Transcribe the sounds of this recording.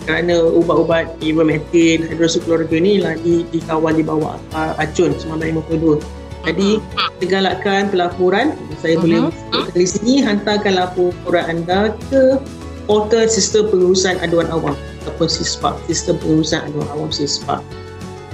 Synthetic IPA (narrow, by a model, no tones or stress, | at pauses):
kəɾanə̃ubaʔubat̪̚iwəmɛt̪ɪnhajdɾosuklɔɾiɡənĩlahdidikawaldibawa̰ʔ | aad͡ʒʊnsəmabajamakuduə | d͡ʒadisəɡalakanpəlapuɾanjasajabolɛhbət͡ʃu̥kʊʔkanisinĩɦant̪akanlapuɾanandakə | ɔt̪əsist̪əmpəŋuɾusanaduanawamat̪apʊnsispa̰ʔsist̪əmpəŋuɾusana̰duanawamsispa̰ʔ